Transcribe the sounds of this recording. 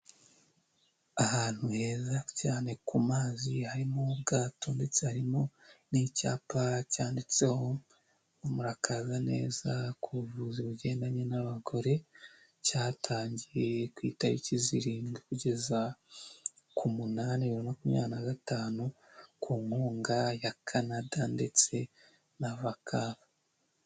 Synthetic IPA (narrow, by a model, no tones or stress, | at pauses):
ahaːn̥huhe̞ːzacaːne̞kumaːzihaɾimob̚ɡaːto̞ndet͡sehaɾimonica̰ːpacaːndit͡se̞ho̞ | umuɾakʰazanḛːzakuβuvuziβuɟe̞ːndaɲe̞naβaɡo̞ɾe̞ | caːtʰaːɲɟije̞kwiːtaβiciziɾiːŋɡokuɟe̞za | kʰumunaniβiɾinakumɲa̰ːnaɡataːnu | kʰuːŋhoːŋɡajakʰanadande̞t͡se̞ | naβakʰaβa